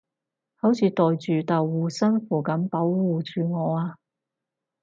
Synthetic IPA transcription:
hɐ˨˥wt͡sʰiː˨˧t̪ɔː˨jt͡ʃyː˨t̪ɐ˨wːuː˨sɐ˥nfuː˨˩kɐ˨˥mpɐ˨˥wwuː˨˧t͡ʃyː˨ŋɔː˨˧aː˧

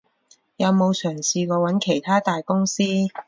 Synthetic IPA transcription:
jɐ˨˧wmo˨˧wsœː˨˩ŋsiː˧ŋɔː˨˧wɐ˨˥nkʰe˨˩jt̪ʰaː˥t̪aː˨jkʊ˥ŋsiː˥

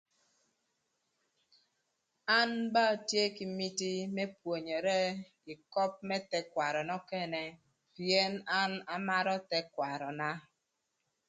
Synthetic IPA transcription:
a˦nba˦˨tje˦ki˨m̩˦mi˦ti˦me˦pwo˨ɲe˨ɾe˦ki˨kɔ˦p̚me˦tɛ˦kwa˨ɾɔ˨nɔ˦kɛ˦˨nɛ˨ | pje˦na˦na˦ma˦ɾɔ˦tɛ˦kwa˨ɾɔ˨na˦

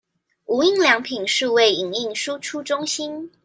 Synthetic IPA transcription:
u˨˥i˥˩ŋljɑ˧˥ŋpʰi˨˩nʂɻ̩˥˧we˥˩ɪi˨˩ŋi˥˩ŋʂu˥ʈ͡ʂʰu˥ʈ͡ʂʊ˥ŋɕi˥n

